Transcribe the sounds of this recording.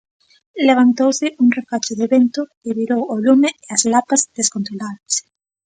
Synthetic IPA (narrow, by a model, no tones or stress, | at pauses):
leβ̞ant̪owsɪʔuŋrefat͡ʃɪðeβent̪ʊ | ɪβiɾowolumɪeazlapazðeskont̪ɾolaðɐs